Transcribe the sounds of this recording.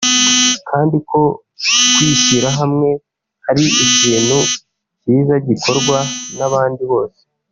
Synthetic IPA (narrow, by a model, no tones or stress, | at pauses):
kʰaːndikʰo̞ | kwiːɕiɾaɦamŋe̞ | haɾiiciːn̥hu | ciːzaɟikʰo̞ɾɡwanaβaːndiβo̞ːse̥